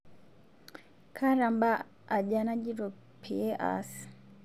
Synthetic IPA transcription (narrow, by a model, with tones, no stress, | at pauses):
kʰa˦ɾa˨mba˦ | a˨ɟa˨na˦ɟi˦ɾo˨ | pʰi˨e˦ʔa̰˨s